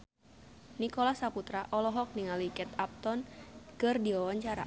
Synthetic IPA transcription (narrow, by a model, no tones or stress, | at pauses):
nikɔlasaput̪ɾaʔɔlɔɦɔk̚niŋalikɛt̪ap̚t̪ɔnkɨrdiɔwaɲt͡ʃaɾa̰